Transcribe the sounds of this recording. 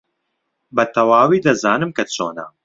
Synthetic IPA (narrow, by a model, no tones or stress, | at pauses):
bɐt̪ʰɐwaːwiːd̪ɐzaːnɨmkɐt͡sʰo̰ːnɐ̰